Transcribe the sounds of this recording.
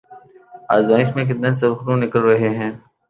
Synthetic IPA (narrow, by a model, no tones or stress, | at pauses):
a̰ːzmaːɪʃmẽkɪt̪nẽns̬ɐɾxɾũnɪkəlɾɐɦeɦɛ̃ː